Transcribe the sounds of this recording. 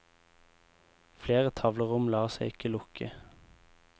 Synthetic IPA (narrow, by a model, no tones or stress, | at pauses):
fleːʁət̪ʰɑʋləʁʊmlɑːseɪɪkəlʊkʰə